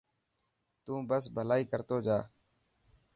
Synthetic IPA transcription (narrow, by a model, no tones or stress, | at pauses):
t̪ũːbəsbʱəlaːiːkəɾt̪oːd͡ʒaː